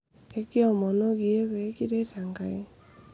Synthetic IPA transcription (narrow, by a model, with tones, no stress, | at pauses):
e˦ki˦ɔ˨mɔ˨no˦ɣi˨e˦βɛ˨˦ki˦ɾe˦ta˨ŋɡa˨e˦